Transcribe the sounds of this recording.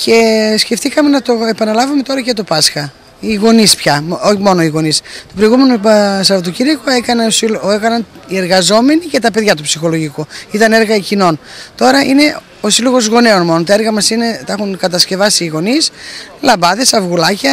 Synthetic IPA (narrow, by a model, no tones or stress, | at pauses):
ce̞sce̞ft̪ikɐme̞nɐt̪o̞epɐnɐlɐvume̞t̪o̞ɾɐcet̪opɐsxɐ | iɣo̞nispçɐoçimo̞no̞iɣo̞nist̪opɾoiɣume̞nosɐvot̪ociɾɐkoekɐneosiloekɐnɐnie̞ɾɣɐzo̞me̞nice̞t̪ɐpeðʝɐt̪upsixo̞lo̞ʝikuit̪ɐne̞ɾɣɐicino̞nt̪o̞ɾɐʔine̞ | osilo̞ɣo̞zɣo̞ne̞o̞nmo̞not̪ɐe̞ɾɣɐmɐsine̞t̪ɐe̞xuŋkɐt̪ɐsce̞vɐsiːɣo̞nislɐbɐðe̞sɐvɣulɐcɐ